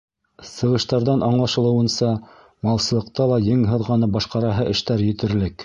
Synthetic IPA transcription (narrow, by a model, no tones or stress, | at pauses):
sɤ̆ʁɤ̆ʃt̪ɑɾðɑnʔɑɴlˠɑʃɤ̆lˠɤ̆wɤ̆nsɑ | mɑlˠsɤ̆lˠɤ̆q̚t̪ɑlˠɑjɤŋɦɤ̆ðʁɑnɤbɑʃqɑɾɑɦɤʔɘ̆ʃt̪æɾjɘ̆t̪ɘ̆ɾlɘk